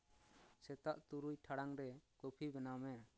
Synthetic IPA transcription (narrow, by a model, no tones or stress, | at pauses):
sɛt̪aʔt̪uɾujʈʰaɽaŋɾɛkopʰibɛnamɛ